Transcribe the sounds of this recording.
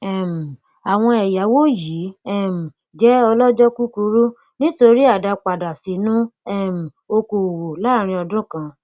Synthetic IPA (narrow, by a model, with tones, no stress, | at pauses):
ɛ˦˨m̩˨ | a˨w̃ɔ̃˧ɛ˨ja˨˦wo˦ji˨˦ɛ˦m̩˨ | d͡ʒɛ˨˦ɔ˧lɔ˦d͡ʒɔ˦ku˦ku˧˦ɾu˦ | nĩ˦to˧ɾi˦a˦˨da˧k͡pa˨da˨si˨˦nũ˦ɛ˦˨m̩˨o˧ko˨wo˨la˦ɾ̃ĩ˧ɔ˧dũ˦kã˧